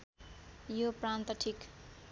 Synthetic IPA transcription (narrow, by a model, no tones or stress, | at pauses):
jopɾant̪ʌʈʰik